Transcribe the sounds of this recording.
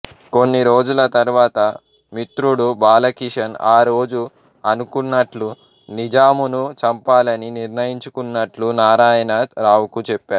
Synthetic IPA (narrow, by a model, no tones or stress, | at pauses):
ko̞nːiɾo̞ːd͡ʒulɐt̪ɐɾuʋaːt̪ɐ | mit̪ɾuɽubaːlɐkiʂɐnaːɾo̞ːd͡ʒu | ɐnukunːɐʈlu | nid͡ʒaːmunut͡ʃɐmpaːlɐniniɾnɐjiɲt͡ʃukunːɐʈlunaːɾaːjɐnaːd̪ɾaːwukut͡ʃɛpːaːɾu